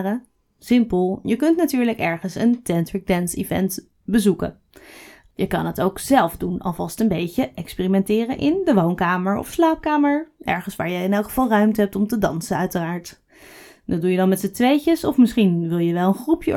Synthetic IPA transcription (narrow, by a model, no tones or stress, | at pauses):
rə | sɪmpəlˠjəkɵntnatyːɹləkɛɹχənsəntɛntɹɪɡ̚dɛnsḭvɛ̰nt | bəzukə̰ | jəkɑnətowkz̥ɛlˠfdunɑ̰lˠvɑstənbejcəʔɛkspɪːrimɛntɪːrənʔɪndəʋownkaːməɹɔ̰fslaːp̚kaːməɹʔɛ̰ɹχənsʋa̰ːɹjəɪnɛlˠkχəv̥ɑlˠrœɥmtəɦɛp̚tɔmtədɑnsənœɥtəraːɹt | dɑdujədɑnmɛtsətʋejcəsɔfmɪsχinʋɪlˠjəʋɛlˠənχrupjə